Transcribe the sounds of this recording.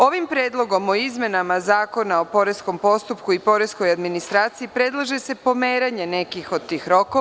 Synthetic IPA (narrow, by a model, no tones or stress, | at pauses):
o̞ʋimpɾeːd̪lˠo̞ɡo̞moizmʲje̞namazaːko̞nao̞po̞ɾe̞sko̞mpo̞st̪upkuipo̞ɾe̞sko̞jad̪minist̪ɾaːt̪siipɾe̞d̪lˠaʒe̞se̞po̞meːɾaɲe̞ne̞kixo̞d̪̚t̪ːiːxɾo̞ko